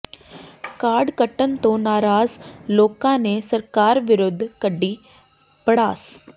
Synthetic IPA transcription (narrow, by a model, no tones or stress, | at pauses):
kaːɾɖkəʈːənt̪õːnaːɾaːzloːkãːneːsəɾkaːɾʋɪɾʊd̪ʱːkəɖːiː | pəɽaːs